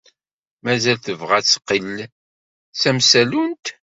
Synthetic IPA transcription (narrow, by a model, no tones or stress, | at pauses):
mæzælθəvʁæt͡sːqːəlː | t͡sæmsælunt̪